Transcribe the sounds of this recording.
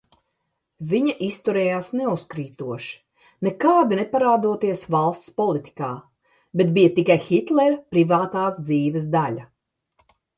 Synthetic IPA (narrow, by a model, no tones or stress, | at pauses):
viɲaʔist̪uɾɛːjaːsneuskɾiːt̪uɔʃi̥ | nekaːd̪inɛpaɾaːd̪uɔt̪iɛsvalˠst̪spɔlˠit̪ʲi̥kaː | bet̪bijɐt̪ikajxit̪lɛɾpɾivaːt̪aːsd̪ziːvɛs̬d̪aʎʲɐ